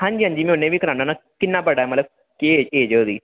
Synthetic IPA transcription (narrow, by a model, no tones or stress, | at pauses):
hãːɲd͡ʒiːɦãɲd͡ʒiːmẽʊnːẽːʋiːkəɾaːnãːnãːkɪnːaːbəɽaːɛːmət̪ləb̚ | keeːd͡ʒeːd͡ʒoːd̪iː